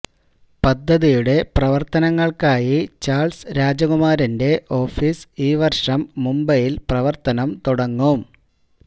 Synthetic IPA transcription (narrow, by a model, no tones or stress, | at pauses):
pɐd̪ʱːɐðijuɽe̞prɐʋɐrt̪ɐnɐŋːɐɭkaːjit͡ɕaːɭsɾaːd͡ʑɐɣumaːɾinde̞ʔo̞ːfisiːʋɐrʂɐmːumbɐjilprɐʋɐrt̪ɐnɐmt̪uɽɐŋːum